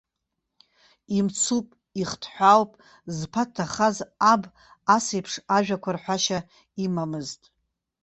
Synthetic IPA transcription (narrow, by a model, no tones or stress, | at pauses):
imt͡sʰupʼ | iχtʰħʷawpʼ | zpʰatʰːaχazab | asejpʰʂaʒᶣakʷʰarħʷaʃa | imamɨztʼ